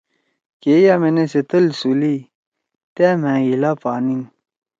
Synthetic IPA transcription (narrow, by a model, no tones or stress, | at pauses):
keːjameneset̪ɐlsuli | t̪emɛ̃ːilapaːnin